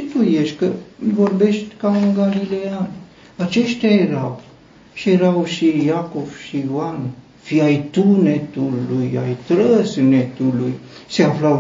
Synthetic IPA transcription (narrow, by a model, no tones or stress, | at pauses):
t̪ujeʃʲkəvo̞rbe̞ʃt̪ʲkauŋɡalilean | at͡ʃe̞ʃt̪ʲjajeɾaw | ʃijeɾawʃijakovʃijoan | fiajt̪unet̪uluja̰jt̪ɾəsnet̪uluj | seaflaw